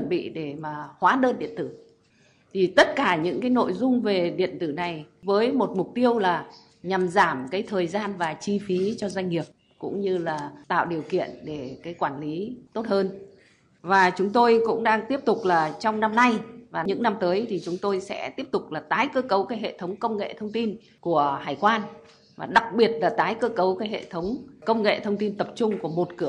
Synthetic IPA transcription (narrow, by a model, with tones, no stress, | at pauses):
t͡ɕə˧˩nɓḭ˧˨ɗe˧˩maː˨˩hwaː˨˦ɗəː˧nɗḭ˧˨ənt̪ɨ˧˩ | t̪ʰi˨˩t̪ə˦˥t̚kaː˧˩ɲɨ̰˧˥ŋkaː˨˦jno̰˧˨jzʊ˧ŋ͡mve˨˩ɗḭ˧˨ənt̪ɨ˧˩na˨˩jvəː˨˦jmo˨˩t̚mʊ˨˩k͡p̚t̪i˧əwlaː˨˩ | ɲa˨˩mzaː˧˩mkaː˨˦jt̪ʰəː˨˩jzaː˧nvaː˨˩t͡ɕi˧fi˨˦t͡ɕɔ˧za˧jŋ̟ŋi˨˩əp̚ | kʊ̰˧˥ŋ͡mɲɨ˧laː˨˩t̪a̰ː˧˨wɗi˨˩əwkḭ˧˨ənɗe˧˩kaː˨˦jkwaː˧˩nli˨˦t̪o˦˥t̚həː˧n | vaː˨˩t͡ɕʊ˨˦ŋ͡mt̪o˧jkʊ̰˧˥ŋ͡mɗaː˧ŋt̪i˦˥əp̚t̪ʊ˨˩k͡p̚laː˨˩t͡ɕɔ˧wŋ͡mna˧mna˧jvaː˨˩ɲɨ̰˧˥ŋna˧mt̪əː˨˦jt̪ʰi˨˩t͡ɕʊ˨˦ŋ͡mt̪o˧jsɛ̰˧˥t̪i˦˥əp̚t̪ʊ˨˩k͡p̚laː˨˩t̪aː˨˦jkəː˧kə˨˦wkaː˨˦jɦḛ˧˨t̪ʰə˨˦wŋ͡mkə˧wŋ͡mŋḛ˧˨t̪ʰə˧wŋ͡mt̪i˧n | ku˧˩əhaː˧˩jkwaː˧n | vaː˨˩ɗa˨˩k̚ɓi˨˩ət̚laː˨˩t̪aː˨˦jkəː˧kə˨˦wkaː˨˦jɦḛ˧˨t̪ʰə˨˦wŋ͡mkə˧wŋ͡mŋḛ˧˨t̪ʰə˧wŋ͡mt̪i˧nt̪ə˨˩p̚t͡ɕʊ˧ŋ͡mku˧˩əmo˨˩t̚kɨ˧˩ə